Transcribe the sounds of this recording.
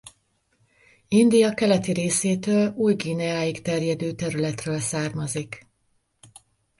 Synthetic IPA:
ind̪ijɒkɛlɛt̪iɾeːseːt̪øːluːjɡiːnɛaːjikt̪ɛrjɛd̪øːt̪ɛɾylɛt̪røːlsaːrmɒzik

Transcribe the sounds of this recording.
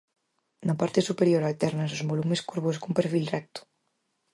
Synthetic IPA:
napaɾt̪esupeɾjoɾat̪ɛɾnasozmolumeskuɾβoskumpeɾfilrɛk̚t̪u̥

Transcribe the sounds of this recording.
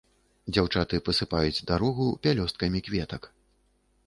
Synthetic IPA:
d͡zʲawt͡ʂat̪ɨpɐsɨpajud͡zʲd̪aɾɔɣupʲalʲɔst̪̚kɐmʲikvʲɛt̪ɐk

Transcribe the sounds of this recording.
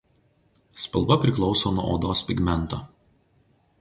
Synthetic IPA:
spɐlˠˑbɐpʲɾʲɪklˠɒʊsoːnuɔʔo̰ːd̪oːspʲɪɡmʲɛnˑt̪oː

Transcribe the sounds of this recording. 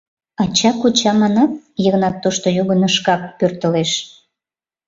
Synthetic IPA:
ɑt͡ɕɑkot͡ɕɑmɑnɑp̚jəɣnɑt̪ːoʃt̪ojuɣənəʃkɑk̚pørt̪əleʃ

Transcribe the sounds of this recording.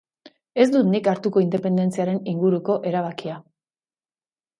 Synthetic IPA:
e̞zd̪ut̪nikaɾt̪uko̞ind̪e̞pe̞nd̪e̞nt͡siaɾe̞niŋɡuɾuko̞ʔe̞ɾaβ̞akia

